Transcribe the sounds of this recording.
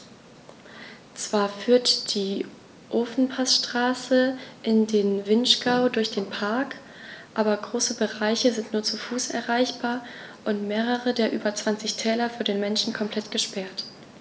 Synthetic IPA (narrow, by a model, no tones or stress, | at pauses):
t͡sv̥aːɐfyːɐtd̥iː | ʔoːfn̩pʰasʃtʁ̥aːsəʔɪndeːnvɪnʃɡ̥aʊdʊɐçd̥eːnpʰaɐk | ʔaːbɐɡʁoːsəbəʁaɪçəzɪntnuːɐt͡sufuːsɛ̰ɐʁaɪçb̥aːɐʔʊntmeːʁ̞əʁədeːɐʔyːbɐt͡sv̥ant͡sɪçtʰɛːlɐfyːɐdeːnmɛnʃn̩kʰɔmpʰl̥ɛtɡ̥əʃpɛɐt